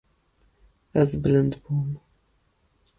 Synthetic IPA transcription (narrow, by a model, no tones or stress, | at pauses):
ɐzblɨnd̪bum